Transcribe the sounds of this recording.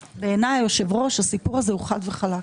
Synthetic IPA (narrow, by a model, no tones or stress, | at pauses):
be̞ːnajːo̞ʃe̞vʁo̞ʃasipuʁazehuχad̪veχala